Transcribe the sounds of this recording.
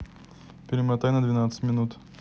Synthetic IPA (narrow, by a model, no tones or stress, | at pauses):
pʲɪɾʲɪmɾat̪ajnɐd̪vʲinat̪sə̥t̪mʲɪnut̪